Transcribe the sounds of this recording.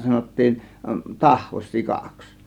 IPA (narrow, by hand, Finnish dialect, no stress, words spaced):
sɑnotːiːn tɑhʋos sikɑks